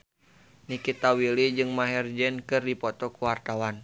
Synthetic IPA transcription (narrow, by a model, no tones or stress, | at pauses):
nikit̪awilid͡ʒɨŋmaɦɛrd͡ʒɛnkɨrdipɔt̪ɔkuwart̪awan